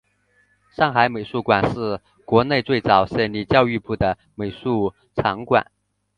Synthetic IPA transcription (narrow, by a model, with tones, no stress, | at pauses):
ʂɑ˥˩ŋxa˧˥ɪme˨˩ɪʂu˥˩kwa˨˩nʂɻ̩˥˩ | kwɔ˧˥ne˥˧ɪt͡swe˥˩ɪt͡sɑ˨˩ʊɕɛ˧˥˩nli˨˩t͡ɕjɑ˥˧ʊy˥˧pu˥˩d̪ə˩ | me˨˩ɪʂu˥˩ | ʈ͡ʂʰɑ˧˥ŋkwa̰˨˩˦n